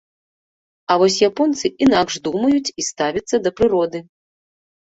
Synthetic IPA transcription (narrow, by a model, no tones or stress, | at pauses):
ɐvɔs̬ʲjapɔnt̪sɨʔinakʂd̪umɐjut͡sʲist̪avʲɐt̪sːɐd̪ɐpɾɨɾɔd̪ɨ